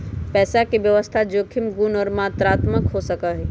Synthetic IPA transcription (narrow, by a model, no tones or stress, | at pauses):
pɛːsakebjəʋəst̪ʰad͡ʒokʰimɡunɔːɾmat̪ɾaːt̪məkɦosəkəɦɛ